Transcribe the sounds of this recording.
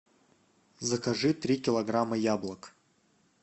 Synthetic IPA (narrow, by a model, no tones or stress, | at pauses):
zəkɐʐɨt̪ɾʲikʲɪlˠɐɡramɐjablˠək